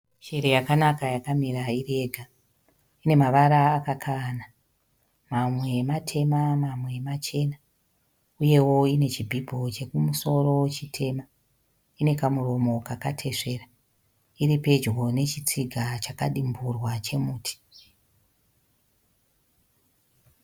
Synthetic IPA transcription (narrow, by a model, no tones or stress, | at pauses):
ʃeɾejakanakajakamiɾaire̞ɡʱa | ine̞maʋaɾaːkakʰana | mamwe̞ːmatʰe̞mamamwe̞ːmat͡ʃe̞na | uje̞wo̞ine̞t͡ʃibʱibʱo̞t͡ʃe̞kumuso̞ro̞wt͡ʃitʰe̞ma | ine̞kamuro̞mo̞kakatʰe̞ʂe̞ːra | iɾipe̞d͡ʒɡo̞ne̞t͡ʃit͡siɡʱat͡ʃakaɗimburwat͡ʃe̞muːtʰi̥